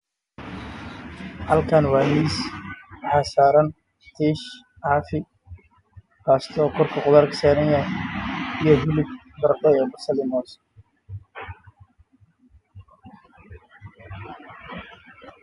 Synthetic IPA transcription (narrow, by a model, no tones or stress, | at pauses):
hɐlkʰaːnwɑːmiːswħɑːsaːɾɐn | t̪ʰiːʃ | ʕɑːfɪ | kaːst̪ʰɔːkʰɔrkʰɐqʊðaːrkʰɐ̥saːɾɐnja | ijɔɦʊlɪb | b̪ɐrdɛɛːbɐsɐlɪmɔːs